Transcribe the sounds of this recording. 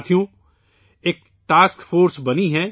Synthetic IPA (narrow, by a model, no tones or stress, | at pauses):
t̪ʰijõ | eːk̚ | ʈaːskfoːɾsbɐniɦɛ̃ː